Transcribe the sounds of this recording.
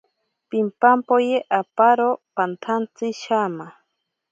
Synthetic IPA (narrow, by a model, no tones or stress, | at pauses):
pimpampojeʔapaɾopant̪ʰant͡sɪʃama